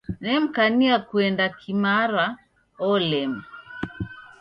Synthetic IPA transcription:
nɛm̩kaniakuɛndakʰimaɾa | ɔlɛm

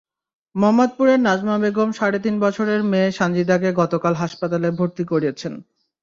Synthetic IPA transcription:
mɔmːad̪̚puɾeɾnad͡ʑmabeɡomʃaɾet̪̬inbɔt͡ɕʰoɾeɾmeʃand͡ʑid̪aɡeɡɔt̪okalɦaʃpat̪alebʱoɾt̪ikoɾiet͡ɕʰen

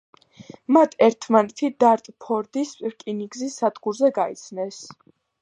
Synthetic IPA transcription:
mat̪ʰɛɾt̪ʰmanɛt̪ʰid̪aɾt̪ʼpʰɔɾd̪ispʼiɾkʼiniɡzisad̪ɡuɾzɛɡait̪sʰnɛs

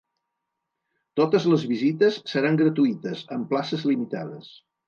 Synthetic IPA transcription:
t̪ot̪əzləzβizit̪əsːəɾaŋɡɾət̪uit̪əzəmplasəzlimit̪aðəs

